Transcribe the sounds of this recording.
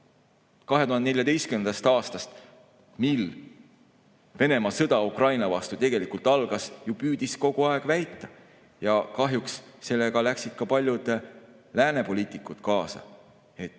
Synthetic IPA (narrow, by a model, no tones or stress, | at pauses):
kɑɦe̞uɦɑnd̪eneljɑd̪ejst̪kyend̪ɑst̪ɑːst̪ɑst̪ | mil | ve̞ne̞mɑsɤd̪ɑukrɑjnɑvɑst̪ut̪e̞ɡ̥e̞likult̪ːˑɑlɡ̥ɑsjupyːd̪̥isko̞ɡ̥uɑe̞ɡ̥væjt̪ˑːɑ | jɑkɑɦjuksse̞lːe̞ɡɑlæksid̪̥̚kɑpɑlʲjud̪̥ | læːne̞po̞lʲiːt̪ˑikːˑut̪kɑːsɑ̰ | e̞t̪ːˑ